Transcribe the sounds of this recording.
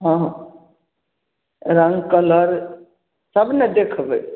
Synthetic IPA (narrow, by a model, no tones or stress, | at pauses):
ɦãɦ | ɾə̃ŋɡkələɾ | səbned̪ekʰbɛ